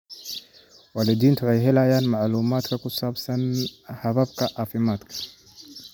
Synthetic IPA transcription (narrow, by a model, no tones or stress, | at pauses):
waːlɪd̪iːnt̪ʰʊwʊħɑjɦɛlaːjaːnmaʕluːmaːd̪kʰɐkʰʊsaːbsɐnhɐβɐbkʰɐʔaːfɪmaːd̪kʰɐ̥